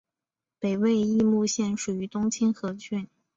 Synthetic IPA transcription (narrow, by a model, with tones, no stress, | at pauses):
pe˨˩ɪwe˥˧ɪi˥˧mu˥˧ɕjɛ˥˩nʂu˨˩y˧˥t̪ʊ˥ŋt͡ɕʰi˥nxɤ˧˥t͡ɕʰy˥˩n